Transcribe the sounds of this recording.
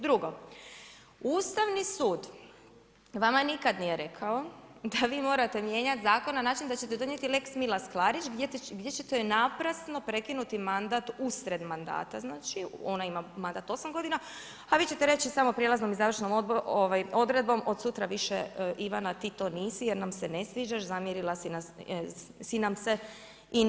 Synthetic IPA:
d̪ɾuɡo̞ | uːst̪aʋnisuːd̪ | ʋamanikad̪nije̞ɾe̞kʰao̞d̪aʋiːmo̞ːɾat̪e̞mje̞ɲat̪zaːko̞nːanaːt͡ʃind̪at͡ɕe̞t̪ed̪o̞nɲjet̪ile̞ksmilasklaɾit͡ʃɡɡdje̞t͡ɕet̪onapɾasno̞pɾe̞kinut̪imand̪at̪usɾe̞d̪mand̪a̰ːt̪aznaːt͡ʃio̞naimamand̪at̪o̞samɡo̞d̪ina | aʋiːt͡ɕe̞t̪eɾe̞t͡ɕisamopɾjelazno̞mizaːʋrʃno̞moboʋajo̞d̪ɾe̞d̪̚bo̞mo̞d̪sut̪ɾaʋiʃḛʔiʋanat̪iːt̪o̞ːniːsijeɾnamsene̞sʋiːd͡ʒaʃzamjeɾilˠasina | sinamse | i

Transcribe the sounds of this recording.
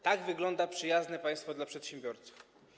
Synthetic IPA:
t̪aɡvɘɡlɔnd̪apʂɘjaznɛpaj̃st̪fɔd̪lapʂɛt̪ɕɛmbʲjɔɾt̪su̥f

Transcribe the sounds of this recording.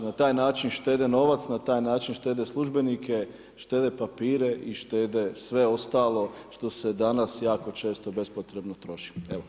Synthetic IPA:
nat̪aːjnaːt͡ʃinʃt̪e̞ːd̪eno̞ʋat̪snat̪aːjnaːt͡ʃinʃt̪e̞ːd̪e̞slˠuʒbe̞nikʰe̞ | ʃt̪e̞ːd̪e̞papiːɾe̞ʔiʃt̪eːd̪esʋe̞o̞st̪aːlo̞ʃt̪o̞se̞d̪anasjaːko̞t͡ʃe̞ːst̪o̞be̞spot̪ɾe̞bnot̪ɾo̞ʃi̥eʋo

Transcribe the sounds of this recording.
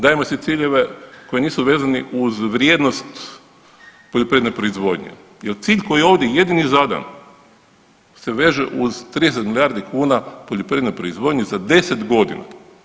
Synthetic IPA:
d̪aːemosit̪siːʎeʋe̞ko̞jeniːsuʋe̞ːzaniʔuzʋɾjed̪nost̪ | poʎʲopɾiednepɾo̞izʋod̪ɲḛ | jelt̪siːʎko̞jieoʋd̪ʲjeje̞d̪inizad̪a̰n | se̞ʋe̞ːʒḛʔuzt̪ɾiːd̪es̬et̪milijaːɾd̪ikʰuːnapoʎopɾiːednepɾoizʋod̪ɲezad̪e̞set̪ɡo̞d̪ḭna̰

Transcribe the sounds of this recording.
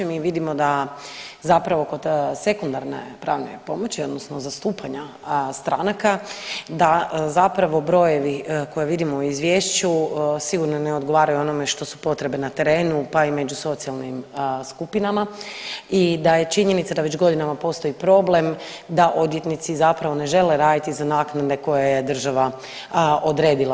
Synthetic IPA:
emiʋid̪imo̞d̪a | zapɾaʋo̞kod̪se̞kund̪aɾnḛpɾaːʋne̞̰po̞mo̞t͡ɕio̞d̪nosnozast̪uːpʰaɲa | st̪ɾanakad̪azapɾaʋo̞bɾo̞je̞ʋiko̞jeʋid̪imouizʋjeːʃt͡ɕusiɡuɾnoneo̞d̪ɡo̞ʋaːɾajuo̞no̞me̞ʃt̪o̞su̥po̞t̪ɾe̞benat̪e̞ɾe̞ːnupaime̞d͡ʑuso̞t̪sijalˠnimskupinama | id̪aje̞t͡ʃiɲe̞nit̪sad̪aʋe̞t͡ɕɡo̞d̪inamapo̞st̪o̞ipɾo̞ble̞m | d̪aʔo̞d̪jet̪nit̪sizapɾaʋo̞ne̞ʒe̞leɾaːd̪it̪izanaːknad̪e̞ko̞jajed̪r̩ʒaʋa | o̞d̪ɾe̞ːd̪ilˠa

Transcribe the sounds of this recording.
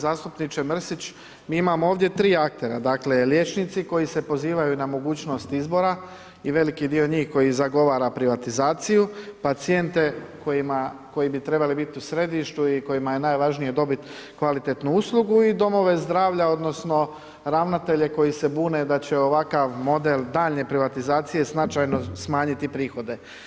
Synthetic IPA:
zaːst̪upnit͡ʃemr̩sit͡ɕ | miːimamooːʋd̪je̞t̪ɾiːak̚t̪e̞ɾad̪aːkle̞lje̞t͡ʃnit̪siko̞jise̞po̞ziːʋajunamo̞ɡuːt͡ɕno̞st̪izbo̞ɾa | iʋe̞likid̪io̞ɲiːxko̞jizaɡo̞ʋaːɾapɾiʋat̪izaːt̪sijupat̪sije̞nt̪e̞ko̞jimako̞jibit̪ɾe̞balibit̪iusɾe̞d̪iʃt̪uiko̞jimaje̞naːjʋaʒnije̞d̪o̞bit̪ | kʋalit̪et̪nuuslˠuɡuid̪o̞mo̞ʋe̞zd̪ɾaːʋʎao̞d̪no̞sno̞ | ɾaʋnat̪e̞ʎe̞ko̞jise̞buːne̞d̪at͡ɕe̞oʋakaʋmo̞d̪e̞ld̪aːʎne̞pɾiʋat̪izaːt̪sije̞snat͡ʃajno̞smaːɲit̪ipɾiːxo̞d̪e̞

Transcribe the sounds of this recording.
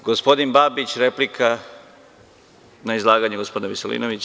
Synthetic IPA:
ɡospo̞d̪inbaːbit͡ɕɾeplikʰa | naizlˠaːɡaɲeɡospd̪neʋisolḭːnoʋit͡ɕ

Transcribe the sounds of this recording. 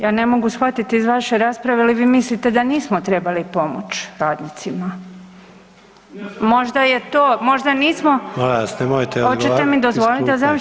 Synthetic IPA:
jaːne̞mo̞ɡusxʋat̪it̪iːzʋaʃeɾaːspɾaʋealiʋiːmislit̪e̞d̪aniːsmot̪ɾe̞balipo̞mo̰t͡ʃɾaːd̪nit̪sima | mo̞ʒd̪aje̞t̪oːmo̞ʒd̪aniːsmomolasnemojt̪ehot͡ʃet̪emid̪o̞zʋo̞lit̪eza

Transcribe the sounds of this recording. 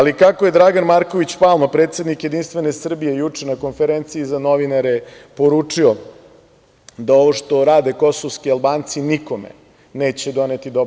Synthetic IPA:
alikakoje̞d̪ɾaɡanmaɾko̞ʋit͡ɕpalˠmapɾeːt̪sed̪nikjed̪inst̪ʋe̞ne̞sr̩bije̞jut͡ʂenako̞nfeɾent̪siːzanoʋinaɾepo̞ɾuːt͡ʂio | d̪ao̞ʋoʂt̪o̞ɾaːd̪e̞ko̞soʋskialbaːnt̪siniko̞mḛ | neːt͡ɕed̪o̞net̪id̪ob

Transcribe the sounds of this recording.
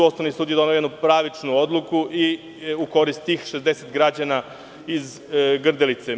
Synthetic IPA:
osnoʋnisuːd̪jeo̞neojed̪nupɾaːʋit͡ʂnuod̪lˠukuʔi | uko̞ɾist̪ːiːxʃezd̪eset̪ɡɾad͡ʑana | iz | ɡr̩d̪elit̪se

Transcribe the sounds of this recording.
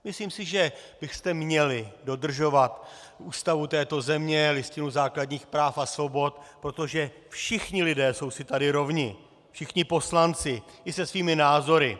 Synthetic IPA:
mɪsliːmsɪʒɛb̥ɪxst̪ɛmɲɛlɪdo̞d̪r̩ʒo̞vat̪ʔuːst̪avut̪ɛːt̪o̞zɛmɲɛlɪscɪnuzaːkladɲiːxpɾaːfasvo̞bo̞t̪pɾo̞t̪o̞ʒɛ | fʃɪxɲɪlɪdɛːso̞wsɪt̪adɪɾo̞vɲɪ | fʃɪxɲɪpo̞slant͡sɪʔɪsɛsviːmɪnaːzo̞ɾɪ

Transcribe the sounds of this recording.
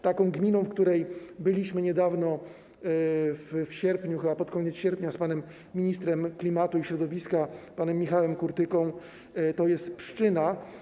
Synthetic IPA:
t̪akɔ̃w̃ɡmʲinɔ̃w̃fkt̪uɾɛjbɘlʲiɕmɘɲɛd̪avnɔ | ffɕɛɾpɲuxɘbapɔt̪kɔɲɛt̪sɕɛɾpʲɲaspanɛmːʲ | iɲist̪ɾɛmklʲimat̪uiɕɾɔd̪ɔvʲiskapanɛmːʲixawɛmkuɾt̪ɘkɔ̃w̃ | t̪ɔjɛst̪pʂɘ̥t͡ʂɘna

